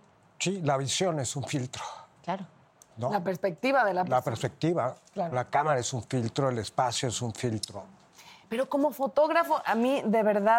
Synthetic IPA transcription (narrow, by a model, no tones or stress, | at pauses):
silaβisjo̞ne̞suɱfilt̪ɾoklaɾo | nolapeɾspek̚t̪iβaðelalapeɾspe̞k̚t̪iβa | laɾolakamaɾaesuɱfilt̪ɾoelespasjoesuɱfilt̪ɾo | pe̞ɾo̞ko̞mo̞fo̞t̪o̞ɣɾafo̞ʔamiðe̞βe̞ɾða